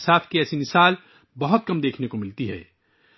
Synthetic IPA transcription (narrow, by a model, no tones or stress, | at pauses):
saːfʰkiɛːsinɪsaːl | bɐɦʊt̪̚kɐmd̪eːkʰnekomɪlt̪iɦɛ̰ː